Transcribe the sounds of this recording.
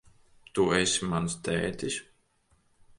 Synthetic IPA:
t̪uesʲimanst̪ɛ̰ːt̪ʲisʲ

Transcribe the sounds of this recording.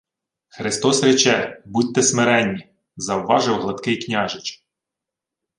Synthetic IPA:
xɾɪst̪ɔsrʲɛt͡ʃɛbut̚ʲt̪ɛsmeɾɛnʲːi | zɐwʋɑʒɪwɦlˠɐt̪kɪjknʲɑʒɪt͡ʃ

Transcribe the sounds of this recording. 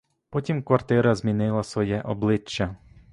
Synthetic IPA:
pɔtʲimkʋɐrt̪ɪɾɐzmʲinɪlˠɐsʋɔjɛʔɔblˠɪt͡ʃːɐ

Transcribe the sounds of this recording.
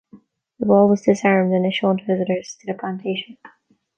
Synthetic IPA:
ðəbɔlˠwʌzdɨsɑ̃ɹmdɨ̃nɨtʃõʊ̃ntʰəvɪzɨɾə˞z̥tʰɨðɨpʰl̥æ̃ntʰeɪʃɨ̃n̩

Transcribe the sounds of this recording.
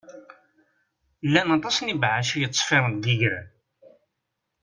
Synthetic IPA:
lːænɑt̪ˤɑsnibʕaʃijət̪ːˤfɪɾˤənd̪iʝɾæ

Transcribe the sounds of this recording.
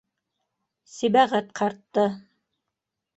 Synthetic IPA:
sibæʁæt̪qʰɑɾt̪ːɤ

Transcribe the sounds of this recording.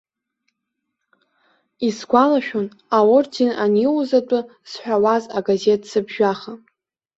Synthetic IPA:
isɡʷalaʃᶣon | awʊrdʰinaniwzatʼʊz̥ħʷᶣawazaɡaze̞tʰsɨbʒᶣaχa

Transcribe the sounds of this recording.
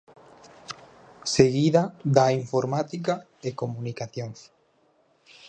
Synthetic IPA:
seɣiðad̪aiɱfoɾmat̪ika | ekomũnikaθjoŋs

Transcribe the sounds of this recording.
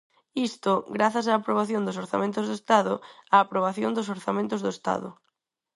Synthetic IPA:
ist̪ʊɡɾaθas̬aːpɾoβaθjond̪ʊsoɾθa̰mẽnt̪ʊzðʊest̪aðʊaːpɾoβ̞aθjond̪ʊs̬oɾθamẽnt̪ʊzðʊest̪a̰ðʊ̰

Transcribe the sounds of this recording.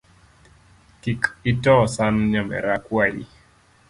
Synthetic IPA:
kikitɔsanɲamɛ̰ɾakwalḭ

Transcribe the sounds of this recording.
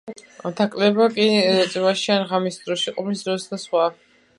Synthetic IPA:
t̪ʰakʼlɛbakʼit̪sʼmaʃianʁamisd̪ɾɔʃiqʼɔpʰlisd̪ɾɔsd̪asχwa

